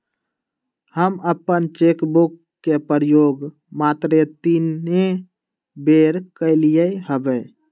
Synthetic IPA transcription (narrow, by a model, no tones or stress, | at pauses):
həməpənt͡ʃekbukː | epəɾjoɡ | mat̪ɾet̪ine | beɾkəɪlijəɦəbə